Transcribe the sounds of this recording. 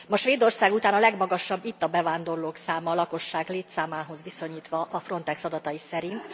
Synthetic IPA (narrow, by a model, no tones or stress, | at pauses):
mɒʃʋeːd̪o̞rsaːɡut̪aːnɒlɛɡmɒɡɒʃɒbːit̪ːɒbɛvaːnd̪o̞rloːksaːmɒlɒko̞ʃːaːɡleːt̪saːmaːɦo̞zʋiso̞ɲiːt̪ʋɒʔɒfro̞nt̪ɛksɒd̪ɒt̪ɒjisɛɾint̪